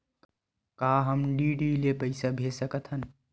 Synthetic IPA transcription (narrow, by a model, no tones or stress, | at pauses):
kaːɦəmɖiːɖiːlepəɪsabʱesəkət̪ʰɦən